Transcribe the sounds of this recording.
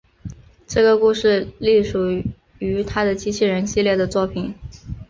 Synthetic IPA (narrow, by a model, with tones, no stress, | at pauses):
ʈ͡ʂɤ˥˩ɡə˩ku˥˧ʂɻ̩˥˧li˥˩ʂu˨˩ | y˧˥t̪ʰa˥d̪ə˨t͡ɕi˥t͡ɕʰi˥˩ɻə˧˥nɕi˥˧ljɛ˥˩d̪ə˩t͡swɔ˥˩pʰi˨˩˦n